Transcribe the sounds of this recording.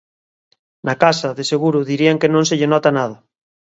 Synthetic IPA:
nakasaðeseɣ̞uɾʊðiɾiaŋkenõnseʎenɔt̪anaðɐ

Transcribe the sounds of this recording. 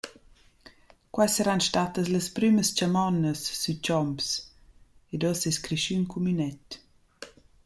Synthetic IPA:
kwajsəɾanʃtat̪əsləspɾyməst͡ʃamɔnəsːyt͡ʃɔmps | edosɛskɾiʃynkumynɛt̪

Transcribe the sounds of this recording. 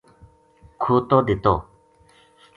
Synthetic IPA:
kʰot̪ɔd̪et̪ɔ

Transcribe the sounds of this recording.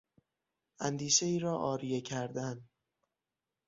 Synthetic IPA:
ʔænd̪iːʃeiːɾɒːʔɒːɾijecʰæɾd̪æn

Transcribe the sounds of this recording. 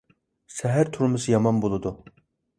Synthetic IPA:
sɛɦæɾt̪ʰuɾmɨsɨjɑmɑnbolˠɨd̪u

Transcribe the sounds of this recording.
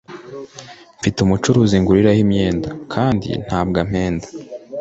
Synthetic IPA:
ɱfitumut͡ʃuɾuːziŋɡuɾiɾahimɲe̞ːndakʰaːndḭn̥haːbɡam̥e̞ːndḁ

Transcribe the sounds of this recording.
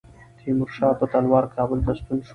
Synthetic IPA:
t̪ʰiːmuɾʃaːpɐt̪ɐnwaːɾkʰaːbult̪ɐst̪unʃ

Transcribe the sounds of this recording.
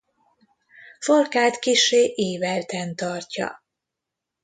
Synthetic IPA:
folkaːt̪kiʃeːʔeːvɛlt̪ɛnt̪ɒrcɒ̰

